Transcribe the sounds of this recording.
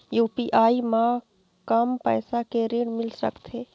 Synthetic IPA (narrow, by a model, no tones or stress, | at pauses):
juːpiʔaːimã | kəmpəɪsakeɾiɽmɪlsə̰kt̪ʰe